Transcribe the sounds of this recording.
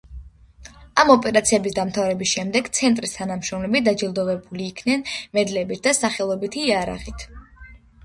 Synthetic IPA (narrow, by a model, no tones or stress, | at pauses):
amɔpʼɛɾat̪sʰiɛbisd̪amt̪ʰavɾɛbisʃɛmd̪ɛɡt̪sʰɛnt̪ʼɾist̪ʰanamʃɾɔmlɛbid̪ad͡ʒilˠd̪ɔvɛbuliːkʰnɛnmɛd̪lɛbit̪̚ʰd̪asaχɛlˠɔbit̪ʰiːaɾa̰ʁit̪ʰ